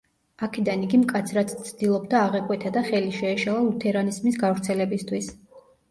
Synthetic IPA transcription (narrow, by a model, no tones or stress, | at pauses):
akʰɛd̪aniɡimkʼat̪sʰɾat̪sʰt̪sʰd̪ilˠɔb̚d̪aːʁɛkʼwɛt̪ʰad̪aχɛliʃɛːʃalˠalut̪ʰɛɾanizmisɡavɾt̪sʰɛlɛbist̪ʰwis